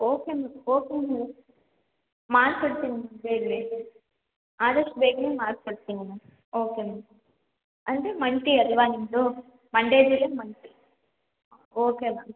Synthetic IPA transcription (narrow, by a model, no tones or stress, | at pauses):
oːkeːmɐoːkiŋ | maːɾpɐɽɯt̪ːiːŋɡɐnabeːɡle | aːðɐʂʈbeːɡɐnemaːɾpɐɽɯt̪ːiːŋɡɐnaː | oːkeːmɐ | ɐnd̪eːmɐɳʈiɐɾʋaːniŋlo | mɐɳɖeːd͡ʒileːmɐɳʈi | oːkeːʋaː